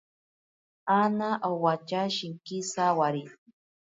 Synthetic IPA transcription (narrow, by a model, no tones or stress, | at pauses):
anaʔawat͡ʃaʃɪŋkisawaɾi